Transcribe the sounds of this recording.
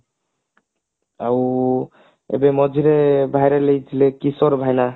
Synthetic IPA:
aw | ḛbemɔd͡ʒʱiɾebʱajɾelejd͡ʒʰilekisɔɾbʱajna

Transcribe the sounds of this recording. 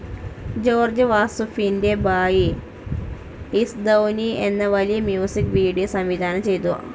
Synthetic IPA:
d͡ʒoːɾd͡ʒɐʋaːsufindebaːji | isd̪ɐwnienːɐʋɐlijɐmjuːsikʋiːɽijosɐmʋid̪ʱaːnɐmt͡ʃejt̪ṵ

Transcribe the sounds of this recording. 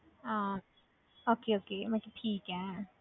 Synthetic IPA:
ʔaː | ʔoːkʰeːʔokʰeːmakapʰiːka

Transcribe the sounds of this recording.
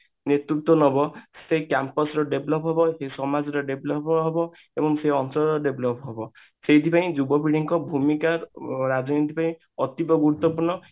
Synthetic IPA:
net̪ɾuk̚t̪ɔnɔbɔsekampɔsɾɔɖeblɔpɦebɔsesɔmad͡ʒɔɾɔɖeblɔpɦebɔ | ebɔŋseɔnsɔɾɔɖebʱlɔpɦebɔ | seit̪ʰipaĩd͡ʒubɔbiɽiŋkɔbʱumikaɾɾad͡ʒɔnit̪ʰipaĩ | ɔt̪ibɔɡuɾut̪ːɔpuɾɳɔ

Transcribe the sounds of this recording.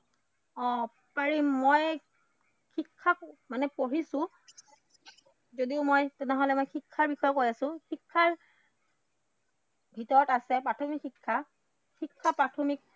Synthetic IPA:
ɔ̃ | paɹimoj | kikʰːakmanɛpoɹisʊ̃ | zodiʊmojtunɛɦɔlɛmojxikʰːaɹbixɔjɔkojasʊ̃xikʰːaɹ | bʱitɔɹɔtasɛpɹatʰɔmikʰːikʰːa | xikʰːapɹatʰomik̚

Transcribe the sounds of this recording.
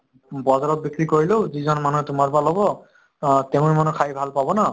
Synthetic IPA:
bɔzaɹɔt̚bikɹikoɹileʊzizɔnmanuɦɛtʊmaɹbalɦɔbɔ | teʊ̃ɹmanukʰajbʱalpabɔna

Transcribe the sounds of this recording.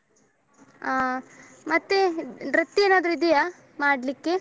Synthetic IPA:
mɐt̪ːeɾɐt̪ːieːnaːd̪ɐɾuid̪ija | maːɖlikːe

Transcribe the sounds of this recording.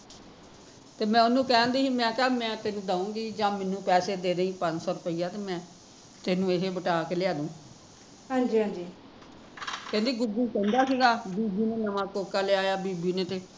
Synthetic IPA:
t̪eːmɛ̃ːʊnũːkɛ̃ːnd̪iːɦiːmɛ̃ːk̪aːmɛ̃ːt̪eːnũːd̪aːũːɡiːd͡ʒãːmɛnũːpɛːseːd̪eːɾəĩːpə̃ɲsɔːɾʊpəɪiːjaːt̪eːmɛ̃ː | t̪eːnũːeɦeːbəʈaːkeːlɪaːd̪õː | ɦãːd͡ʒĩd͡ʒiː | kɛ̃ːnd̪iːɡʊɡuːkɛ̃ːnd̪aːsiːɡaːbiːbiːneːnəmãːkoːkaːleaːjaːbiːbiːneːt̪eː

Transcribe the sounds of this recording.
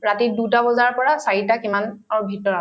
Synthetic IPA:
ɹatidutabɔzaɹpɔɹasaɹitakimanaɹubʱitɔɹa

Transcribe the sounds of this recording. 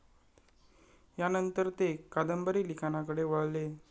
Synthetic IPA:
janənt̪əɾt̪ekad̪əmbəɾiːlikanakəɽeʋəɭle

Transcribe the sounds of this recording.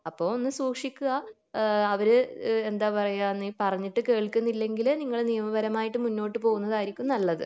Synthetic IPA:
ɐpːoːonːɨsuːkʂikʲːuɣɐ | ɐʋɐɾɨe̞nd̪aːpɐrɐjaːnːipɐrɐɲːiʈːɨke̞ːɭkːunːilːe̞ŋɡilniŋːɐɭnijɐmɐʋɐɾɐmaːjiʈːɨmunːo̞ːʈːɨpo̞ːɣunːɐðaːjiɾikʲːunːɐlːɐðɨ̰

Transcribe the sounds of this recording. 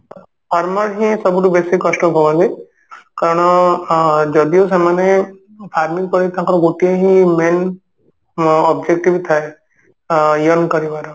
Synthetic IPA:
pʰaɾməlɦĩsɔbuʈubesikːɔʃʈɔbʱɔʋãnd̪i | kaɾɔɽ̃ | d͡ʒɔd̪ijos̬emane | pʰaɾmĩŋkɔɾit̪ãkɾɔɡoʈijẽɦĩmen | ɔbd͡ʒek̚ʈibt̪ʰae | jɔnkɔɾiʋaɾɔ

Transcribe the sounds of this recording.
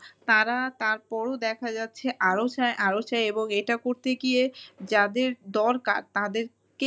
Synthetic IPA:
t̪aɾat̪aɾpɔɾod̪ɛkʰad͡ʑatːɕʰeʔaɾot͡ɕaeʔaɾot͡ɕaeeboŋejʈakoɾt̪eɡied͡ʑad̪eɾd̪ɔɾka̰ɾt̪ad̪eɾ | ke

